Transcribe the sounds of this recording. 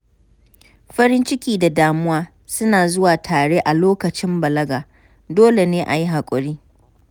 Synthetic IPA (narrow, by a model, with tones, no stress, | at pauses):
ɸɐ˦ɾɪ˦nt͡ʃɪ˦kʲiː˨da˨daː˨mʊ˦waː˦ | sʊ˦naː˨zʊ˦waː˨tʰaː˨ɽeː˦ʔa˨loː˦kɐ˨t͡ʃɪ˦mbɐ˨lɐ˦ɡaː˨ | doː˦le˨neː˦ʔa˨ji˦ɦa˨kʷʼʊ˨ɽiː˦